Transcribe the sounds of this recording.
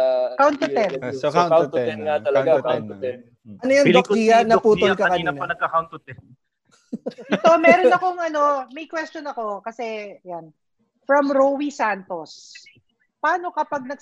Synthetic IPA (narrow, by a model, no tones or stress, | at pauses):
kawnt̪ot̪ɛnwt̪ɛnŋat̪ɐlɐɡaaɛn | ʔɐnojɐŋɐk̚t̪ijɐnɐpuːt̪olkɐkɐiːnɐnɐɡ̚kɐkawnt̪ʊt̪ɛ | ɪt̪o̞mɛːɾonɐkoŋʔɐno̞mɐjkwɛst͡ʃonɐko̞kɐsɛɐjan | fɾɐmɾowisant̪os | paːno̞kɐpɐɡ̚nɐɡ̚